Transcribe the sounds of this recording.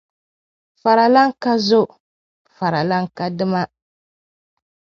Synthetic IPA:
fa˨ɾa˨la˦ŋ˦ka˦zo˦ | fa˨ɾa˨la˦ŋ˦ka˦dɨ˦ma˦

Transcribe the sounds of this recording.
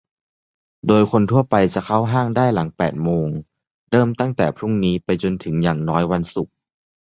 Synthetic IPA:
doː˧jkʰo˧nt̪ʰu˥˩ɐpa˧jt͡ɕa˨˩kʰa˥˩wɦaː˥˩ŋdaː˥˩jla˩˦ŋpɛː˨˩t̪̚moː˧ŋ | dɤː˥˩mt̪a˥˩ŋt̪ɛː˨˩pʰɾu˥˩ŋniː˦˥pa˧jt͡ɕo˧nt̪ʰɯ˩˦ŋjaː˨˩ŋnɔː˦˥jwa˧nsu˨˩k̚

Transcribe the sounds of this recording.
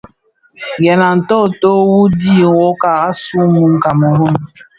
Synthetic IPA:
ɡe˨na˨n̩˨tɔ˦˨to˦wu˦di˦˨wo˦ka˨a˦su˦mu˨ŋ̩˦ka˨mo˨ɾo˦m˨

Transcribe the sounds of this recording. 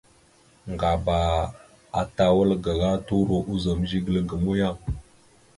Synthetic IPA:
ŋɡa˨ba˨ | a˦ta˦wə˦lɡa˨ɣa˦tu˦ɾo˨ʔu˦za˨m˦ʒi˦ɡə˨lə˦ɡə˨mu˦ja˦

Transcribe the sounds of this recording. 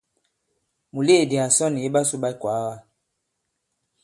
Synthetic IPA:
mu˨le˦˨di˨a˨sɔ˦ni˨e˦ba˦su˦ɓa˦i˦kwa˨˦wa˦

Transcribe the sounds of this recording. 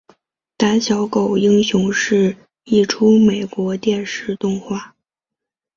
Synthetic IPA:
t̪a˧˥nɕjɑ˧˥ʊko˨˩ʊi˥ŋɕjʊ˧˥ŋʂɻ̩˥˧ | i˥˩ʈ͡ʂʰu˥me˨˩ɪkwɔ˧˥t̪jɛ˥˧nʂɻ̩˥˧t̪ʊ˥˧ŋxwa˥˩

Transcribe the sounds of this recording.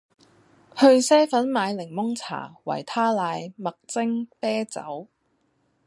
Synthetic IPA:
hɵ˧ɥsɛː˥fɐ˨˥nmaː˨˧jlɪ˨˩ŋmʊ˥ŋt͡sʰa̰ː˨˩wɐ̰˨˩jt̪ʰaː˥laː˨˧jmɐ˨k̚t͡sɪ˥ŋpɛː˥t͡sɐ̰˨˥w

